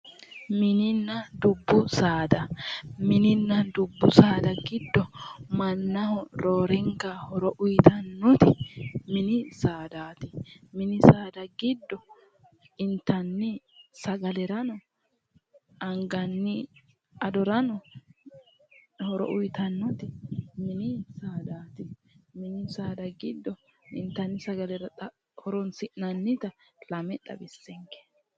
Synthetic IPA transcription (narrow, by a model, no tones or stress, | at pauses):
mɪnɪnːɐd̪ʊbːʊsaːd̪ɐmɪnɪnːɐd̪ʊbːʊsaːd̪ɐɡɪd̪ːɔmɐnːɐhɔɾoːɾɛŋɡahɔɾɔʔʊjt̪ɐnːɔt̪ɪmɪnɪsaːd̪aːt̪ɪmɪnɪsaːd̪ɐɡɪd̪ːɔ | ɪnt̪ɐnːɪ | sɐɡɐlɛɾɐnɔ | ɐŋɡɐnːɪ | ɐd̪ɔɾɐnɔ | hɔɾɔ̰ʔʊjt̪ɐnːɔt̪ɪmɪnɪsaːd̪aːt̪ɪ | mɪnɪsaːd̪ɐɡɪd̪ːɔ | ɪnt̪ːɐnːɪsɐɡɐlɛɾɐt̪ɐ | hɔɾɔnsɪʔnɐnːɪt̪ɐlɐmɛt̪ːɐ̰bɪsːɛŋke̥